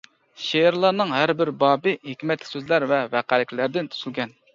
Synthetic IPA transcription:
ʃeɪɾlˠɑnɨŋɦæɾbɪɾbɑːbɪɦikʲmɛt̪ːʲsøzlæɾvɛvæqælɪkʲlæɾd̪ɪnt̪ʰy̥z̥ylɡʲɛn

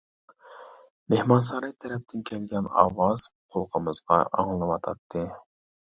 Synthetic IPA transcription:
mehmɑns̬ɑɾɑjt̪ʰɛɾɛp̚t̪ʰɪnkʲʰɛlɡʲɛnɑ̰ːwɑz̥qʰolˠqʰəmɨzʁɑ̰ʔɑ̰ŋlˠɨwɑt̪ʰɑ̰t̪ʰːɨ

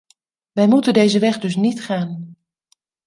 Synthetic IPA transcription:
ʋɛjmutəndejzəʋɛχdɵsnitχaːn

